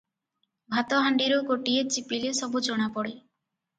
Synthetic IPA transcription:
bʱat̪ɔɦaɳɖiɾoɡoʈiet͡ʃipilesɔbud͡ʒoɽ̃apɔɽi

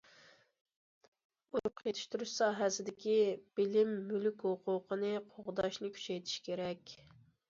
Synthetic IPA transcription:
uɾʊqʰjet̪ʰɪ̥ʃt̪ʰuɾuʃsɑːɦɛsɪd̪ɪkʲib̥ɪlɪmːylykʲhʊqʰʊqʰənɨqʰoʁd̪ɑʃnɪkʲʰy̥t͡ʃʰɛjt̪ʰi̥ʃkʲʰeɾɛkʲ

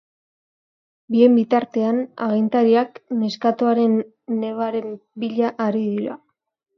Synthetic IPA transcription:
bie̞mbit̪aɾt̪e̞ana̰ɣint̪aɾiakne̞skat̪oaɾe̞nː | e̞β̞aɾe̞mbiʎaʔaɾiðiɾa̰

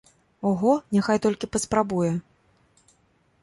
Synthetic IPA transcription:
ɔɣɔnʲaxajt̪ɔlʲkʲipɐspɾabujɛ

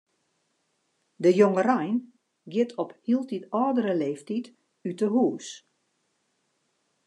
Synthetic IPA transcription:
dəjoŋərajn | ɡjɪtʰɔphiəlˠtitɔːdəɾəleːftit | ytəɦuːs

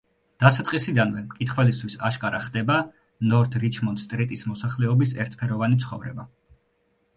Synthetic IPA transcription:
d̪̥asat̪sʼqʼisid̪anvɛmkʼit̪ʰχwɛlist̪ʰwisaʃkʼaɾaχd̪ɛba | nɔɾt̪ʰɾit͡ʃʰmɔnt̪st̪ʼɾɛt̪ʼismɔsaχlɛɔbisɛɾt̪ʰpʰɛɾɔvanit̪sʰχɔvɾɛ̰ba

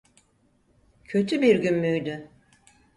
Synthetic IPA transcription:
cʰø̞t̪ʰybiɾɟynmyjd̪y

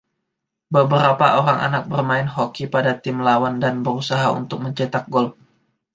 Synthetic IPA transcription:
bəbəɾapaʔoɾaŋʔa̰nak̚bərmaɪnɦokipadat̪ɪmlawandanbəɾusaɦaṵnt̪ʊk̚məɲt͡ʃɛt̪ak̚ɡɔlf̚

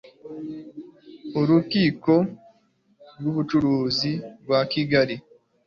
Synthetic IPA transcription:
oɾukiːko̞ | ɾwuβut͡ʃuɾuːziɡwakiɡaɾi

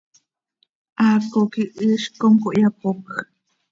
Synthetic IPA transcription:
ʔakokiʔɨʃkoŋkoʔjapok

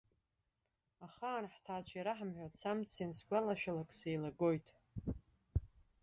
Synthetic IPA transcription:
aχaːnħtʰaːt͡ɕʷʰjaɾaħamħᶣʷat͡sʰamt͡sʰinsɡʷalaʃᶣalakʼsejlaɡo̞jtʰʼ

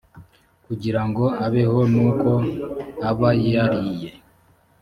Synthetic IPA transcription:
kuɟiɾaŋɡo̞aβe̞ho̞nuːko̞aβajiaɾije

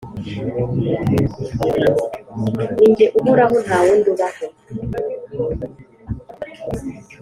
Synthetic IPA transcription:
niɲɟeʔumuɾaɦɔnawunduβaho

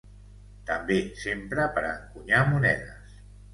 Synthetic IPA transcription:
t̪əmbesempɾəpəɾəŋkuɲamunɛðəs

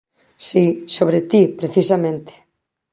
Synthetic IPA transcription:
sisoβɾet̪ipɾeθisamẽnt̪e̥

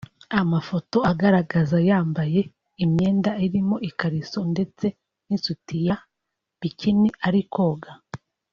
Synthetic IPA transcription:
amafo̞to̞aɡaɾaɡazajaːmbaje̞ | imɲe̞ːndaiɾimo̞ʔikaɾiso̞nde̞t͡se̞ | nisutija | βiciniaɾiko̞ːɡa

